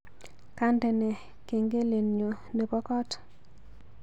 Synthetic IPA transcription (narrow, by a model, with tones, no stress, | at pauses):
ka˦ndɛ˨nɛ˨ | ke˨ŋɡe˦le˨nɲo˨ | ne˨bɔ˦kɔ˦t